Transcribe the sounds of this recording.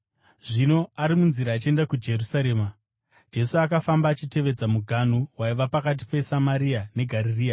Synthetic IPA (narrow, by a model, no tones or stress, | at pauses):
ʐino̞aɾimunziɾaːt͡ʃie̞ndakud͡ʒe̞rusaɾe̞ːma | d͡ʒe̞suakafambaːt͡ʃite̞ʋe̞d͡zamuɡʱanuwaiʋapakat̬i̥pe̞samaɾiane̞ɡʱaririːja